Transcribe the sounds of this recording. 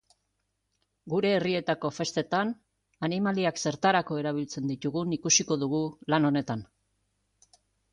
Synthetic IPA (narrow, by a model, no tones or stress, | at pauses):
ɡuɾe̞ːrie̞t̪ako̞fe̞st̪e̞t̪an | animaliakse̞ɾt̪aɾako̞e̞ɾaβ̞ilt͡se̞nd̪it̪uɣunikusiko̞ðuɣ̞ulano̞ne̞t̪an